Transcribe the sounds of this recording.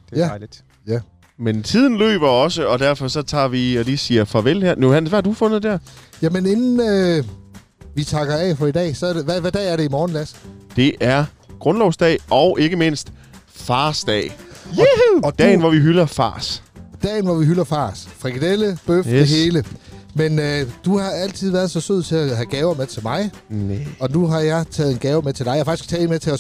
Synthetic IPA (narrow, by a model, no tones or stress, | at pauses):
æ̥ | jæ | ment͡sʰið̞̰ˠn̩lø̰ːb̥ɐɒ̽səɒ̽d̥æɐfɒ̽sɒ̽t͡sʰɑ̰̈ːʋiɒlisiːɐfɒʋelhæɐ̰nohæn̰sʋæhɑ̈d̥ufɔ̽nð̩ˠd̥æɐ̰jæmene̝nn̩ø | ʋit͡sʰɑ̈ɡ̥ɐɛfɒ̽idɛ̰ːsɒ̽ɐdeʋæʋæd̥ɛ̰ːæɐɾe̝imɒːnlæsd̥e̝ʔæɐ | ɡ̥ʁɔ̽nlɒʊsd̥ɛ̰ːʔɒ̽ʊʔe̝ɡ̥əme̝n̰sd̥ | fɑ̈ːsd̥ɛ̰ː | ɒd̥̰ːɪn̩ʋɒʋiɦylɐfɑ̰̈ːsd̥ɛ̰ːnʋɒʋiɦylɐfɑ̰̈ːsfʁiɡ̥id̥eləb̥eøfdeɦe̝ːləmenød̥uhɑ̈æl̰t͡sʰið̞̰ˠʋæɐðˠsɒ̽søð̞̰ˠt͡sʰe̝æɦæɡ̥ɛːʊɐmet͡sʰe̝lmɑ̈ɪ | ɒ̽nuɦɑ̈jɑ̈ɪt͡sʰɛ̰ːð̩ˠenɡ̥ɛːʊɐmet͡sʰe̝ldɑ̈jɑfɑɡ̥isɡ̥t͡sʰɛːmet͡sʰe̝lɒ